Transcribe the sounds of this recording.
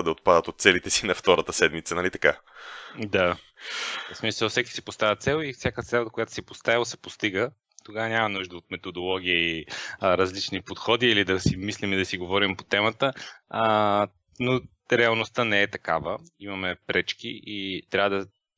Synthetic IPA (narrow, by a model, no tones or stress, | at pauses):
d̪ɐot̪̚pad̪ət̪ot̪sɛlit̪ɛsinɐft̪ɔɾət̪əsɛd̪mit̪sənɐlit̪ɐ̥ka | d̪a | smisəlˠfsɛki̥sipost̪avʲət̪sɛlˠifsʲjakət̪sɛlˠd̪əkojat̪ʊ̥sipost̪ailˠsɛ̥post̪iɡə | t̪oɡavənʲamɐnuʒd̪əot̪mɛt̪od̪olˠɔɡ̟ʲiəiɾɐzlit͡ʃnipot̪xɔd̪iːlid̪ɐsimislimid̪ɐsiɡovɔɾimpot̪ɛmət̪ə | no | ɾɛɐlˠnost̪ənɛːt̪ɐkavəimɐmɛpɾɛt͡ʃkḭʔit̪ɾʲavəd̪ɐ